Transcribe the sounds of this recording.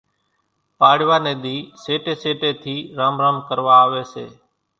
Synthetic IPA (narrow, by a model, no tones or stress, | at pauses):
paːɽɪʋaːneːd̪iːseːʈeːseːʈeːt̪ʰiːɾaːmɾaːmkəɾʋaːʋeːseː